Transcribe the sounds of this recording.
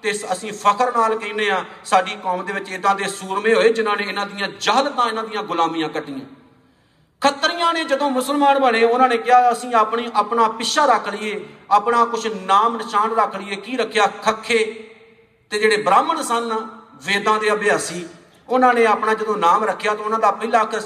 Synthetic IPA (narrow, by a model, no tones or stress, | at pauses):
t̪eːəsĩːpʰəkʰəɾnaːlkəːneːãː | saːɖiːkɔːmd̪eːʋɪt͡ʃɪd̪ãːd̪eːsuːɾmẽːɦoːeːd͡ʒɪnãːnẽːɪnãːd̪ɪjãːd͡ʒəːɦlt̪ãːɪnãːd̪ɪjãːɡʊlaːmiːãːkəʈːijã̰ː | kʰət̪ɾijãːnẽːd͡ʒəd̪õːmʊsəlmaːnbənẽːʊnãːneːkɪaːəsĩːaːpɳiːʔaːpɳaːpɪʃaːɾəkʰlɪːeːaːpnaːkʊt͡ʃʰnaːmnɪʃaːnɾəkʰɽɪeːkiːɾəkʰːejaːkʰəkʰːeː | t̪eːd͡ʒeːɽeːbɾaːmənsənʋeːd̪ãːd̪eːbɪjaːsiː | ʊnãːnẽːaːpnãːd͡ʒəd̪õːnaːmɾəkʰːejaːt̪ãʊnãːd̪aːpɪːlaːkʰə